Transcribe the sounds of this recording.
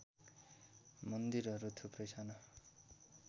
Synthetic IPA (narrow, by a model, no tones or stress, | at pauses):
mʌnd̪iɾʌɾut̪ʰuprʌjsanʌ